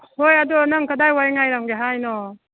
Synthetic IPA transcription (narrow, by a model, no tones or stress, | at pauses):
hojɐdɔnaŋkadajwajŋajɾaŋɡeɦajnɔ